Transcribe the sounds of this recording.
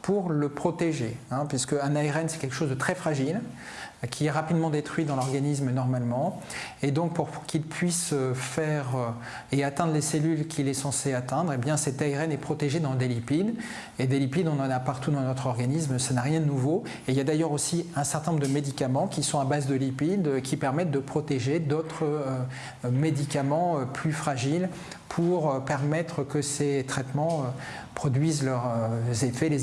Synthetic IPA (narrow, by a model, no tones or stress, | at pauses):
puʁləpχɔt̪eʒeɛ̃pɥiskəɛ̃naeʁɛnsɛ̥kʲɛlkə̥ʃozd̪ət̪χɛfχaʒil | kʲʰiɛʁapid̪mɑ̃d̪et̪χɥid̪ɑ̃lɔʁɡanis̬mənɔʁmalmɑ̃ed̪ɔ̃k̚puʁkʰʲilpʰɥisøfɛʁø | eat̪ɛ̃d̪ʁleselylkʲʰilɛsɑ̃seat̪ɛ̃d̪ʁebjɛ̃sɛt̪aeʁɛnɛpχɔt̪eʒed̪ɑ̃d̪elipid̪ | ed̪elipid̪ɔ̃nɑ̃napaʁt̪ud̪ɑ̃nɔt̪χɔʁɡanismsanaʁjɛ̃d̪ənuvo | eiljad̪ajœʁosiɛ̃sɛʁt̪ɛnɔ̃ʁd̪əmed̪ikamɑ̃kʲisɔ̃abazd̪əlipid̪kʲʰipɛʁmɛt̪̚d̪əpχɔt̪eʒed̪ot̪χəø | med̪ikamɑ̃øplyfχaʒil | pʰuʁøpɛʁmɛt̪χəkəset̪χɛt̪mɑ̃ø | pχɔd̪ɥizlœʁøzefɛle